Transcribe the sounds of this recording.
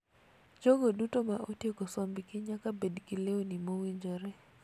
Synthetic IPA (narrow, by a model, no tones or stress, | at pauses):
d͡ʒoɡodutomaʔotjeɡosɔmbɪkɪɲakabedkileonimowiɲd͡ʒoɾɛ